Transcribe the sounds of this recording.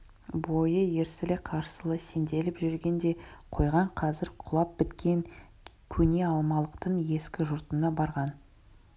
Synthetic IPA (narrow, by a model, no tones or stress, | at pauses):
bo̞jəje̞ɾsɪlɪqʰɑɾsəlˠəse̞nd̪e̞lɪpʒʏɾɡʲe̞nd̪e̞qʰo̞jʁɑɴqʰɑzɪɾqʰʊlˠɑp̚b̥ɪt̪kʲe̞ŋ | kʲʰɵne̞ɑlˠmɑlˠəqt̪əɴje̞skʲɪʒʊɾt̪ənɑbɑɾʁɑn